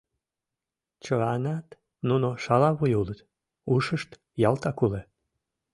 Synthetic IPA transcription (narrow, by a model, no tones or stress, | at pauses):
t͡ɕəɑnɑt̪ | nunoʃɑlɑβujulət̪ | uʃəʃt̪ | jɑlt̪ɑkule